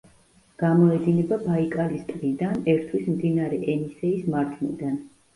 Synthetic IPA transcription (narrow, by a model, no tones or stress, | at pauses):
ɡ̥amɔɛd̪inɛbabaikʼalist̪ʼɾid̪anɛɾt̪ʰwismd̪inaɾɛʔɛnisɛismaɾt̪ʰnḭd̪an